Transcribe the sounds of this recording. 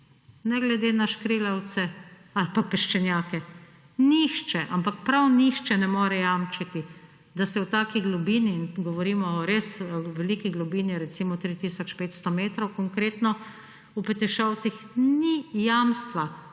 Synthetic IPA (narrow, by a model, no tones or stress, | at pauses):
nɛɡlɛd̪eːnaʃkɾeːlawt̪sɛ | alpapɛʃt͡ʃɛnjaːkɛ | nixt͡ʃɛʔampakpɾawnixt͡ʃɛnɛmoːɾɛjaːmt͡ʃat̪i | d̪asɛwt̪aːkiɡlubiːninɡɔʋɔɾiːmɔɾesʋɛliːkiɡlubiːniɾɛt̪simɔt̪ɾit̪iːsɔt͡ʃpeːt̪st̪ɔmeːt̪ɾɔwkɔŋkɾeːt̪nɔ | upɛt̪ɛʃaw̪sixnijamst̪ʋa